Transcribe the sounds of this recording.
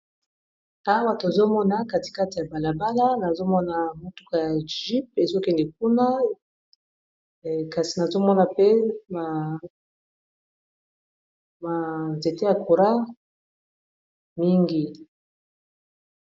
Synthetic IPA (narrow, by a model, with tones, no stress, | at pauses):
a˦ba˨to˨a˨zo˦mɔ˦na˨ka˦ti̥˨ka˦ti˨ja˨ba˨la˨ba˦la˦na˨zo˦mɔ˦na˨mo˨tu˦ka˨ja˨ʒi˦pe˨zo˦kɛ˦ndɛ˨k̚u˦na˦˨ | ka˨si˨na˨zo˦mɔ˦na˨pe˦ma˨ | ma˨ze˨te˦ja˨ko˨ɾa˦ | mi˦ŋɡi˨